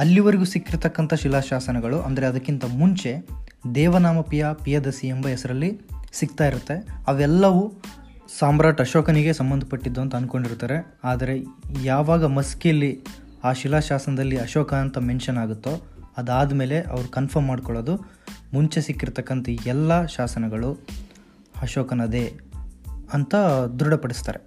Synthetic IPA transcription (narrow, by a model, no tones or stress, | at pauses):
ɐlːiʋɐɾiɡusikːiɾt̪ɐkːɐnt̪ʰɐʃilaːʃaːsɐnɐɡɐɭuʔɐ̰nd̪ɐɾe̞ɐd̪ɐkːint̪ɐmuɲt͡ʃe̞d̪ɛːʋɐnaːmɐpijaːpijɐd̪ɐsiembɐjesɐɾɐlːisikt̪aːjiɾut̪ːe̞ɐʋɛlːɐʋu | saːmbɾaːʈɐʃɔːkɐniɡe̞sɐmbɐnd̪ʱɐpɐʈːid̪ːuɐnt̪ɐːnko̞ɳɖiɾt̪aːɾe̞ | aːd̪ɐɾe̞jaːʋaːɡɐmɐskijɐlːi | aːʃilaʃaːsɐnɐd̪ɐlːiɐʃɔːkɐɐnt̪ɐmenʃɐnaːɡut̪ːo | ɐd̪aːd̪ɐme̞ːle̞ʔɐ̰ʋɐɾukɐnpʰɐɾmːaːɖkɔɭoːd̪u | muɲt͡ʃesikːiɾt̪ɐkːɐnt̪ɐɛlːɐʃaːsɐnɐɡɐɭu | ɐʃɔːkɐnɐd̪e̞ | ɐnt̪ɐd̪ɾuɽɐpɐɽist̪a̰ːɾe